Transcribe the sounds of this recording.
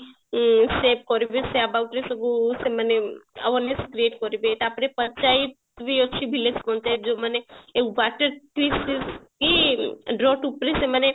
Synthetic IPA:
sep̚kɔɾibeseəbauʈɾesəɡuseməneə̰ʋəneskɾieːʈkɔɾibet̪apɽepət͡ʃait̪̚ | ʋioʃʰibʱilesbɔ̃nt̪ad͡ʒoməneeʋaʈəɾʈisiskiɖɾɔʈupɾiseməne

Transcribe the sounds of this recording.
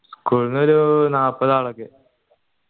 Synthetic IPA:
skuːɭnoɾunaːpːɐðaːɭokːe

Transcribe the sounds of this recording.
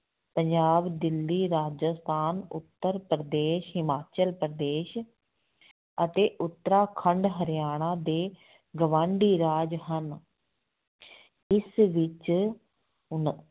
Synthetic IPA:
pəɲd͡ʒaːbd̪ɪlːiːɾaːd͡ʒəst̪ʰaːnʊ̰t̪ːəɾpɾd̪eːʃɦɪmaːt͡ʃəlpɾd̪eːʃ | ət̪eːʔʊt̪ːəɾaːkʰəɳɖɦəɾɪjaːɽ̃ãːd̪eː | ɡəʋãːɳɖiːɾaːd͡ʒɦən | ɪsʋɪt͡ʃ

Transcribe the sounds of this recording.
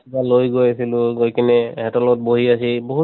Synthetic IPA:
balojɡojasilʊɡojkinɛɦɛtɔlɔt̚boɦiasiboɦu

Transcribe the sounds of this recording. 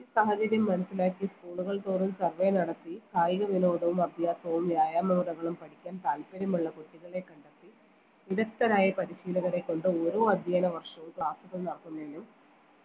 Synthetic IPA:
iisɐɦɐt͡ɕɐɾjɐmːɐnɐsːilaːkːiskuːɭuɣɐɭt̪oːɽumsɐrʋeːnɐɽɐt̪ːikʰaːjɣɐʋino̞ːɽɐʋumɐbʱjaːsɐʋumʋjaːjaːmɐʋuɽɐɣɐɭumpɐɽikʲːaːnt̪aːlpeɾɐmuɭːɐkoʈːiɣɐɭe̞kːɐɳɖɐt̪ːi | iɾɐkt̪ːɐɾaːjɐpɐɾiɕiːlɐɣɐɽekːo̞ɳɖɨoɾuɐd̪ʱjaːnɐʋɐrʂɐʋumkɭaːsuɣɐɭnɐɽɐkːunːaːlum

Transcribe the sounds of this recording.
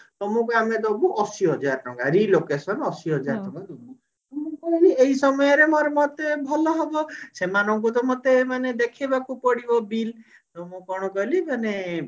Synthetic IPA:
t̪ɔmũkuamed̪ɔbuʔɔsiɦɔd͡ʒaɾt̪ʰɔŋɡaɾilokesɔnɔsiɦɔd͡ʒaɾt̪ʰɔ̃ŋkad̪ɔmu | t̪ɔmũkɔɦilieɦisɔmɔjɔɾemɔɾɔmɔt̪ebʱɔlɔɦɔbɔsemanɔŋk̬ut̪ɔmɔt̪emaned̪ekʰibakupɔɽibɔbil | t̪ɔmũkɔɽ̃ɔkɔɦlimane

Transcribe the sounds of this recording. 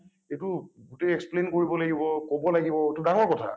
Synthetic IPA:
etʊɡutɛɛksplenkoɹibɔlaɡibɔkobɔlaɡibɔetudaŋɔɹkɔtʰa̰

